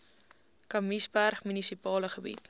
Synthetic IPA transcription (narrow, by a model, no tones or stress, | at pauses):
kɐmisbærχmynisipɑːləχəbḭt